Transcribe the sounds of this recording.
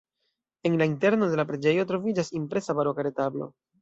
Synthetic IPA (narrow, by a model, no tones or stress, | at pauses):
e̞nlainte̞ɾno̞de̞lapɾe̞d͡ʒe̞jo̞tɾo̞vid͡ʒasimpɾe̞sabaɾokaɾe̞tablo̞̰